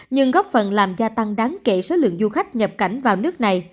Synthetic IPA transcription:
ɲɨ˧ŋɣɔ˦˥p̚fə˨˩nlaː˨˩mzaː˧t̪a˧ŋɗaː˨˦ŋke˧˩so˨˦lɨ̰˧˨əŋzu˧xa˦˥jk̟̚ɲə˨˩p̚ka˧˩jŋ̟vaː˨˩wnɨ˦˥ək̚na˨˩j

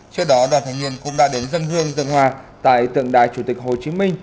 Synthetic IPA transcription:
t͡ɕɨ˧əɗɔ˨˦ɗwaː˧˩nt̪ʰa˨˩ŋ̟ŋwi˧˨ənkʊ̰˧˥ŋ͡mɗa̰ː˧˥ɗe˨˦nzə˧nzɨ˧əŋzə˧nhɦwaː˨˧˩t̪a̰ː˧˨jt̪ɨ̰˧˨əŋɗaː˨˩jt͡ɕu˧˩t̪i˨˩k̚ho˨˩t͡ɕi˨˦mï˧ŋ̟

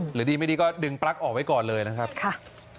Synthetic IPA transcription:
ɾɯː˩˦diː˧ma˥˩jdiː˧kɔː˥˩dɯ˧ŋpɾa˦˥k̚ʔɔː˨˩k̚wa˥jkɔː˨˩nlɤː˧jna˦˥kʰa˦˥p̚kʰa˥˩

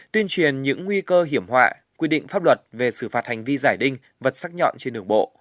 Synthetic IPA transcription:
t̪i˧ənt͡ɕwi˨˩ənɲɨ̰˧˥ŋːwi˧kəː˧ɦi˧˩əmɦwa̰ː˧˨ | kwi˧ɗḭ̈˧˨ŋ̟faː˦˥p̚lwə˨˩t̚ve˨˩sɨ̰˧˩faː˨˩t̚ha˨˩jŋ̟vi˧zaː˧˩jɗï˧ŋ̟ | və˨˩t̚saː˦˥k̚ɲɔ̰˧˨nt͡ɕe˧nɗɨ˧˩əŋɓo̰˧˨

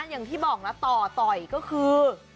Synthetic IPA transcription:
nja˨˩ŋt̪ʰiː˥˩bɔː˨˩k̚lɛ˦˥t̪ɔː˨˩t̪ɔ˨˩jkɔː˥˩kʰɯː˧

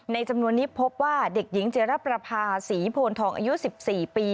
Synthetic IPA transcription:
na˧jt͡ɕa˧mnu˧ənːiː˦˥pʰo˦˥p̚waː˥˩de˨˩k̚ji˩˦ŋt͡ɕi˧˩ɾa˦˥pːɾa˧pʰaː˧siː˩˦pʰoː˧nt̪ʰɔː˧˩ŋʔa̰ː˧ju˦˥si˨˩p̚siː˨˩piː˧

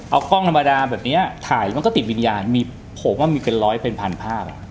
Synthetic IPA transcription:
ʔa˧wkɔː˥˩ŋt̪ʰa˧mːa˧daː˧bɛː˨˩p̚ni˦˥ɐt̪ʰaː˨˩˦jma˧nkɔː˥˩i˨˩wi˧njaː˧nmiː˧ | pʰo˩˦mwaː˥˩miː˧pe˧nlɔː˦˥jpʰe˧npʰa˧npʰaː˥˩p̚a̰˨˩ʔ

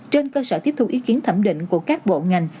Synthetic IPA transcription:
t͡ɕe˧nkəː˧səː˧t̪i˦˥əp̚t̪ʰu˧ʔi˨˦ki˨˦ənt̪ʰə˧˩mɗḭ̈˧˨ŋ̟ku˧˩əkaː˦˥k̚ɓo̰˧˨ŋa˨˩jŋ̟

